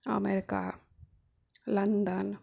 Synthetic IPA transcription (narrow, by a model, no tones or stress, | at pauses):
ɐ̰meɾɪka̰ | lɐnd̪ɐn